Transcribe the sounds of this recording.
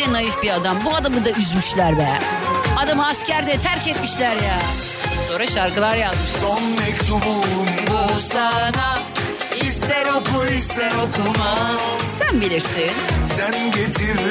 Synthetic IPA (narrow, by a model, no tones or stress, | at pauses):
ɾɛnajɯfbiad̪ambuad̪amɯd̪ayzmyʃlʲæɾbɛa̰ | ad̪amɯascʰæɾd̪ɛt̪ʰæɾcɛt̪miʃlʲæɾjaː | soːɾaʃaɾkɯlˠaɾjazmɯʃsonmɛct̪ʰububusaa | ist̪ɛɾokʰuist̪ɛɾokʰuma | sænbilʲiɾsinsænɟet̪ʰiɾ